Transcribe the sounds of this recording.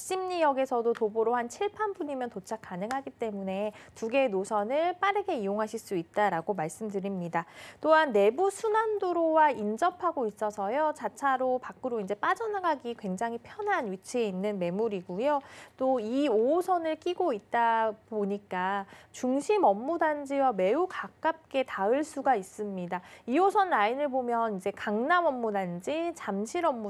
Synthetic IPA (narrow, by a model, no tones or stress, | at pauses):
ɕ͈imɲijʌɡe̞sʰʌdotoboɾoɦant͡ɕʰiɭpʰanbuɲimjʌntot͡ɕʰak͈anɯŋɦaɡit͈e̞mune̞tuɡe̞nosʰʌnɯɭp͈aɾɯɡe̞ijoŋɦaɕʰiɭs͈uit̚t͈aɾaɡomaɭs͈ɯmdɯɾimɲidat͈oɦanːe̞busʰunandoɾowaind͡ʑʌpʰaɡois͈ʌsʰʌjot͡ɕat͡ɕʰaɾopak͈ɯɾoind͡ʑe̞p͈ad͡ʑʌnɡaɡikwe̞ŋd͡ʑaŋɦipʰjʌnɦanɥit͡ɕʰie̞inːɯnme̞muɾiɡujot͈oioːsʰʌnɯɭk͈iɡoit̚t͈apoɲik͈at͡ɕuŋɕʰimʌmːudand͡ʑiwame̞ukak͈ap̚k͈e̞taɯɭs͈uɡais͈ɯmɲidaiosʰʌnːainɯɭbomjʌnid͡ʑe̞kaŋnamʌmːudand͡ʑit͡ɕamɕʰiɾʌmːu